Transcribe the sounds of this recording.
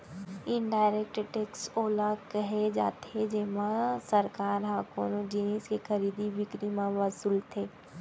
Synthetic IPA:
ɪnɖaːɪɾek̚ʈʈeːksoːlakɐɦed͡ʒa̰ːt̪ed͡ʒeɦmãsɐɾkaːɾɦaːkoːnod͡ʒiniːskexʰɐɾiːd̪iʋɪkɾimãʋɐsuːlt̪ʰeː

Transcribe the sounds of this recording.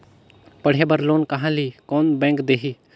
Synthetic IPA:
pəɽ̤ebəɾloːnkɐɦãːliːkoːnbɛ̃ːŋkd̪eːɦiː

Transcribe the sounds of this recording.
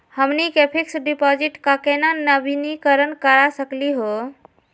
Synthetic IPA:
həmnikepʰiksɖipɔd͡ʒiʈkakenanəbinikəɾənkəɾasəkliɦo

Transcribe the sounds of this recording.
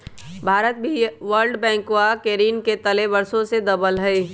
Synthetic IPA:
bʱaːɾət̪̚bʱiʋəɾɖbɛ̃ːŋkwakeːɾiːnket̪əlebəɾsõsed̪əbəlɦɛi

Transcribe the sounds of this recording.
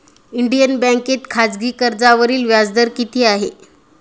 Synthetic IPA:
iɳɖijənbɛ̃ŋket̪kʰad͡zɡiːkəɾd͡zaʋəɾiːlʋjad͡zd̪əɾkit̪ʰiːaɦe

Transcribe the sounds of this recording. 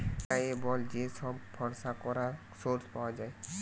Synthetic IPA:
tajebɔld͡ʒesɔbbʰʱɔɾsakɔɾa | soɾspawad͡ʒaj

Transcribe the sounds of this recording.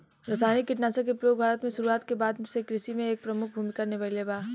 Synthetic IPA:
ɾɐsaːnikːɪʈnaːsəkepɾjoːɡ̚bʱaːɾət̪mẽʃʊɾuaːt̪kebaːd̪sekɾɪʃimẽeːk̚pɾɐmʊk̚ʰbʱuːmikaɾnebɐleːbaː

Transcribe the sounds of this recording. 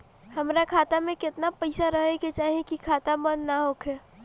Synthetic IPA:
hɐmɾakʰaːt̪amẽkɪt̪napɐɪsaɾəɦeket͡ʃaːɦekikʰaːt̪amənːaɦokʰɛː

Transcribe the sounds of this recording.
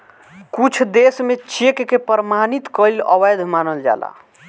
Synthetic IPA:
kut͡ʃʰd̪esmet͡ʃekːepəɾmanit̪kəiləwəjd̪ʱmanəld͡ʒa̰la̰

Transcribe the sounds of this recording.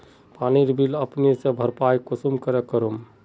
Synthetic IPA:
paniɾbʱiləpnisẽbʱəɾpajkusumkəɾɛkəɾum

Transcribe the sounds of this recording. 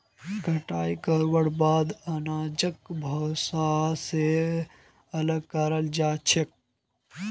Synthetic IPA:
ɡʱɐʈaːikəɾwəɽbaːd̪ɐnaːd͡ʒək̚bʱɐsase | ɐləɡ̚kaɾəld͡ʒaːt͡ʃʰɪk̚

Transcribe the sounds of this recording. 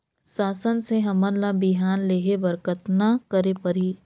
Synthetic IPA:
saːsənseɦɐmənlabɪɦaːnleːɦebɐɾkət̪nakəɾepɐɾiː

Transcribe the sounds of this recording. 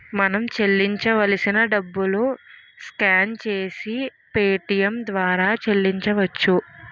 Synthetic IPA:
mɐnɐmt͡ʃelːiɲt͡ʃɐʋɐlɐsinɐɖɐbːulu | skaːnt͡ʃe̞ːsi | peːʈijɐmd̪ʋaːɾaːt͡ʃelːiɲt͡ʃɐʋɐt͡ʃːu

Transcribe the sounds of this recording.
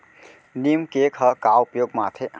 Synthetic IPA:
nimkekʰəkawupjoːɡmaːt̪ʰe

